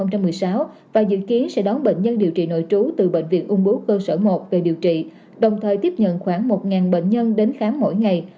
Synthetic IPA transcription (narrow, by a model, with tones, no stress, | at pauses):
wŋ͡mt͡ɕa˧mːɨ˨˩əjsaː˨˦w | vaː˨˩zɨ̰˧˨ki˨˦ənsɛ̰˧˥ɗɔ˨˦nɓḛ˧˨ŋ̟ɲə˧nɗi˨˩əwt͡ɕḭ˧˨no̰˧˨jt͡ɕu˨˦t̪ɨ˨˩ɓḛ˧˨ŋ̟vḭ˧˨nʔʊ˧əŋ͡mɓu˨˦kəː˧səː˧˩mo˨˩t̚ve˨˩ɗi˨˩əwt͡ɕḭ˧˨ | ɗə˨˩wŋ͡mt̪ʰəː˨˩jt̪i˦˥p̚ɲə̰˧˨nxwaː˧˩ŋmo˨˩t̚ŋaː˨˩nɓḛ˧˨ŋ̟ɲə˧nɗe˨˦nxaː˨˦ŋːo̰˧˨jŋa˨˩j